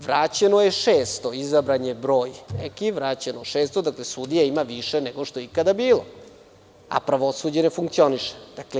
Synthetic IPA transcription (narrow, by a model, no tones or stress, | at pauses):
ʋɾaːt͡ɕenojeʃeːst̪o̞izabɾaɲebɾo̞ːjnḛkiʋɾaːt͡ɕenoʃeːst̪od̪aklesud̪ijaimaʋiʃeneɡoʃt̪oeikad̪abiːlo | a̰pɾaʋosuːd͡ʑenefuŋkt̪sio̞niʃe̥d̪̥akle